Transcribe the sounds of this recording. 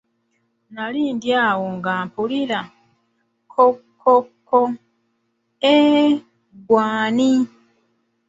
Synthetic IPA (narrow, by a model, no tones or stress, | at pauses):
naliːndjaːwoŋɡaːmpulila | kʰokʰːokʰːo | e | ɡwaːni